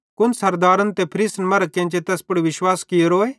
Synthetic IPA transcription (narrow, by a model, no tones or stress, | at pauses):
kʊnsɐɾd̪aːɾənt̪epʰɾisnmɐɾəkːẽnt͡ʃet̪ɛːspʊɽiʋɪʃwaːskɪjoɾoːeː